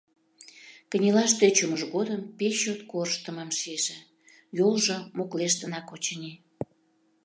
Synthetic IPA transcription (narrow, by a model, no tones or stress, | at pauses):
kə̆nʲelɑʃt̪øt͡ɕuməʒɣod̪əmpeɕːot̪korʃt̪əmɑmʃieʒĕ | jolʒomokleʃt̪ə̆nɑkot͡ɕənʲi